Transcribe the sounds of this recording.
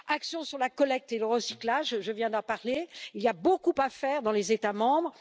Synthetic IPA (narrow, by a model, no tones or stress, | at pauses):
aksjɔ̃syʁlakɔlɛk̚t̪eləʁəsiklaʒʒəvjɛ̃d̪ɑ̃paʁleilijabokupafɛʁd̪ɑ̃lezet̪amɑ̃bʁ